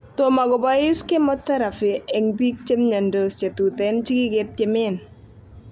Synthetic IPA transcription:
to˨ma˨ɡɔ˨ba˦ɪ˦skɪ˦mɔ˦tːa˦ɾa˨fɪ˨ɛ˨ŋbi˦k̚t͡ʃe˦mɲa˨ndo˨st͡ʃe˨tu˨tɛ˨˦n˦t͡ʃi˦ɡɪ˦ɡɪ˦t̚t͡ʃɪ˨mɪ˦n

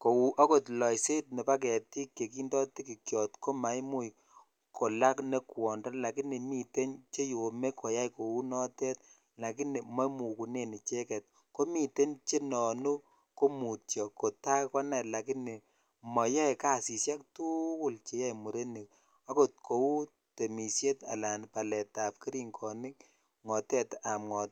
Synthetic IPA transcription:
ko˨wu˦ʔɔ˦ko˨tlɔ˨jse˦t̚nɛ˨pa˦k̬ɛ˨ti˦kːe˨ki˦ndɔ˦ti˦ki˨kjɔ˨tko˦ma˨jmu˦j | ko˨la˦kne˦kwɔ˨ndɔ˦la˨ki˦ni˨mi˨te˦ɲt͡ʃe˦jo˨me˦kʰɔ˨ja˦jko˨wu˦nɔ˦tɛ˦t̚ | la˨ki˦ni˨mɔ˦mu˨ku˨ne˦˨ni˨t͡ʃe˦kɛ˨t̚ | ko˦mi˨te˦ɲt͡ʃe˦nɔ˨nu˦ | ko˦mu˨tjɔ˨ko˨ta˦kɔ˦nɛ˨la˨ki˦ni˨ | mɔ˨ja˦e˨ka˦˨si˨sja˦k̚tu˦kʊ˦˨lt͡ʃe˨ja˦jmu˨ɾe˦ni˨k | a˦ko˦t̚kʰo˨u˦ | te˨mi˨sje˦ta̰˨la˨npa˨lɛ˨ta˨p̚ki˦ɾi˦ŋkʰɔ˨nɪ˦k | ŋɔ˨tɛ˦ta˨mŋɔ˨t

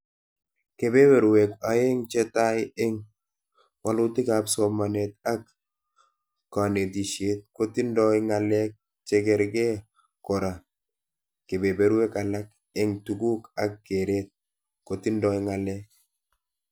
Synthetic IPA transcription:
ke˨be˦be˨ɾwe˨ka˨e˦ŋt͡ʃe˦ta˦ɪɪ˦ŋ | wa˦lʊ˦tɪ˦ka˨psɔ˨ma˨ne˨t̪̚a˦k | a˨ne˨t̬i˨ʃe˦t̪̚ko˦ti˦ndɔ˦ɪ˦ŋa˨lɛ˦k̚ | t͡ʃe˦kɛ˨ɾɡe˦ | kɔ˨ɾa˨ | ke˨be˨be˦ɾwe˦ka˨la˦k̚ | ɪ˦ŋtu˨ɡu˦ka˦k̚ɡe˨ɾe˦t̪̚ | ko˨ti˦ndɔ˦i˦ŋa˨lɛ˦k̚

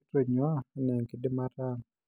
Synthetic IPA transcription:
to˨ɲɔ˦˨˦nɛ˨ŋke˨de˦ma˦ɾa˦˨ŋ

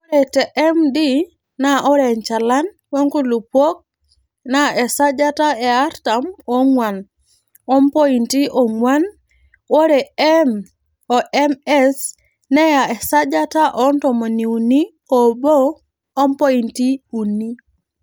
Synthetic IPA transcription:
o˦ɾɛ˨tɛ˨ʔɛ˦mdi˦ | na˨ʔɔ˦ɾɛ˨ɲt͡ʃa˨la˦n | we˦ŋku˦lu˨pwo˦k̚ | na˦ɛ˨sa˦d͡ʒa˦ta˦ɛ˨a˦ɾta˨mɔ˦ŋwa˨n | ɔ˦mpɔ˦i˨nti˦ʔɔ˨ŋwa˦n | wo˦ɾɛ˨m | ɔ˨ʔɛ˦mɛ˦s | nɛ˦ja˨ɛ˨sa˦d͡ʒa˦ta˦ʔɔ˦ntɔ˨mɔ˨ni˨u˨ni˦ | ɔ˨bo˦ | ɔ˦mpɔ˦i˨nti˦u˨ni˦

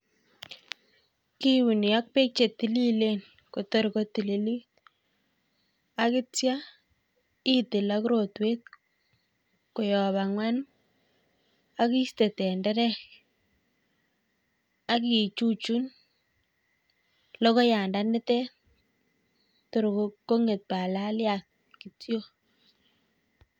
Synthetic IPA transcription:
ki˦wu˨ni˨jɔ˦k̚pe˦k̚t͡ʃe˨t̪i˨li˦len | ko˨to˦ɾko˦ti˨li˦li˦ | a˦kɪ˦tja˦ | i˦tɪ˨lakuɾo˨twe˦t̪̚ | ko˨jɔ˨βa˨ŋwa˦n | a˦ki˦ste˨tɛ˨ndɛ˦ɾɛ˦k | a˦ki˨t͡ʃu˦t͡ʃu˦n | lɔ˦ko˦ja˨nda˦nɪ˦tɛ˦ | to˨ɾkokːo˦ŋe˨t̪̚pa˨la˦lja˨t̪̚ | ki˨tjo˦

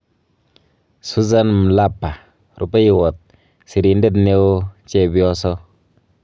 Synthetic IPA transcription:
su˦za˦n˨m̩˨la˦pːa˨ | ɾu˦pa˦i˨wo˨t̚ | si˨˧ɾi˧˨˦n˦de˦tne˦wo˦t͡ʃe˦˨bi˦ɔ˦sɔ˦

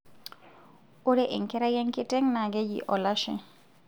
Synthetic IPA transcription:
o˦ɾe˦ʔɪ˨ŋkɛ˦ɾa˦jɛ˦ŋkɪ˦tɛ˦ŋna˨ɡe˦d͡ʒḭ˨ʔɔ˨la˦ʃɛ̰˨

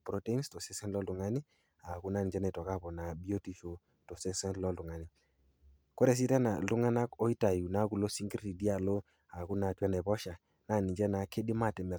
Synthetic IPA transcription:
pɾɔ˨˦te˦i˦nstɔ˨sɛ˦sɛ˦nlɔ˦lu˨ŋa˦ni˦ | a˨ku˦na˦˨ni˨d͡ʒɛ˦nɛ˨tɔ˨ka˦˨pɔ˨na˨bi˦o˦ti˨fo˨ | tɔ˨sɛ˦sɛ˦nlɔ˦lu˨ŋa˨ni˨ | kɔ˦ɾɛ˨s̬i˦tɛ˦na˨lu˦ŋa˦na˦kɔ˦i˦ta˨ju˨na˦ku˨lo˦si˦ŋɡi˦ɾti˨di˦a˨lɔ˦ | a˨ku˦na˨twɛ˦nɛ˨pɔ˦ʃa˨ | na˦˨ni˨d͡ʒɛ˦na˨kʰe˦di˦ma˦˨tɛ˨mɛ˨

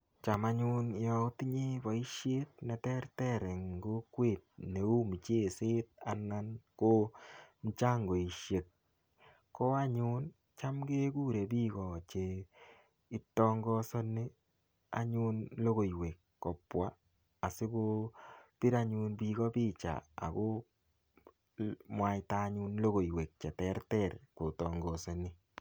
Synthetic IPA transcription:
t͡ʃa˨ma˦ɲʊ˦njɔ˦ti˦ɲi˦bɔ˨i˦ʃje˦t̚nɛ˨tɛ˦rtɛ˦ɾɪ˨ŋɡo˦kwe˨t̚ne˨u˦mi˨t͡ʃe˦˨se˦t̚a˨na˦nko˦n̩˦t͡ʃa˦ŋɡo˨i˨ʃje˨t̚ | ko˦a˦ɲʊ˦n | t͡ʃa˦mɡe˦ku˦ɾe˨bi˦kɔ˨t͡ʃe˨ | i˦tɔ˦ŋɡɔ˦sɔ˦ni˦ | a̰˨ɲu˦nlo˦ɣo˨jwe˨kːɔ˨pwaː˦˨ | sɪ˦ko˦pi˦ɾa˦ɲu˧nbi˧ɡɔ˦pi˦t͡ʃa̰˨a̰˨ko˦ | mwa˨˦i˦ta˦ɲu˦nlo˦ɣo˨jwe˨k̚t͡ʃɛ˨tɛ˦rtɛ˦rko˨tɔ˨ŋɡɔ˨sɔ˨nɪ˦

